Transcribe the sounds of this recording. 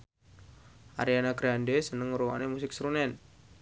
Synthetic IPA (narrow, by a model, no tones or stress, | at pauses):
ʔa̰ɾianaɡɾandesənəŋːəɾuwa̰nemusɪk̚sɾunɛn